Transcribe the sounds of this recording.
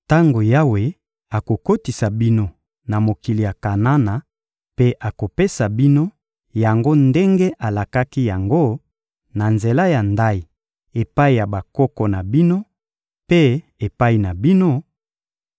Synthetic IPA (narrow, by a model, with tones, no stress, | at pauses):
ta˦ŋɡo˨ja˦we˨ | a˨ko˨ko˦ti˨sa˨bi˦no˦ | na˨mo˨ki˨li˨ja˨ka˨na˦na˨ | pe˦ʔa˨ko˨pe˦sa˨bi˦no˦ | ja˨ŋɡo˦nde˦ŋɡe˦ʔa˨la˨ka˦ki˦ja˨ŋɡo˦ | na˨nze˨la˦ja˨nda˦i˨ | e˨pa˦i˨ja˨ba˨kɔ˦kɔ˨na˨bi˦no˦ | pe˦ | e˨pa˦i˨na˨bi˦no˦